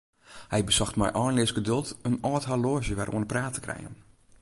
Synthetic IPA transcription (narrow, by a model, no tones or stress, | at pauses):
hɛjbəsɔxtmɛ̰jʔɔːnlɪəsɡədølˠtənɔːthaloːʒjəʋɛrʔo̰ənəpraːtʰə̥krɛ̰jə̰n